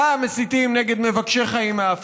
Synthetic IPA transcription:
amesit̪imneɡe̞d̪mevakʃeχaimaaf

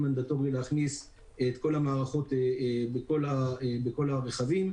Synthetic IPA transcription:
mand̪at̪o̞ʁileaχnis | et̪ko̞lamaːʁaχo̞t̪ebeko̞labeko̞laʁeχavim

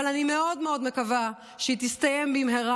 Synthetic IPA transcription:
alanime̞o̞dmeo̞dmekava | ʃeit̪ist̪aje̞mbimɦeʁa

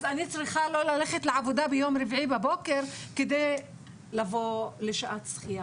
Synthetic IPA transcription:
zanit͡sʁiχalo̞laleχetleʕavod̪abejo̞mɾivʕibaboke̞ʁked̪ej | lavo̞leʃaʔat̪sχija

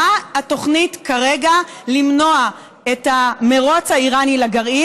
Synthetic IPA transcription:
aato̞χnitkaʁeɡa | limno̞a | etame̞ʁo̞t͡shaiʁanilaɡaʁi

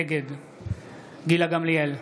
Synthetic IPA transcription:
ɡed̪ | ɡilaɡɐmliɛl

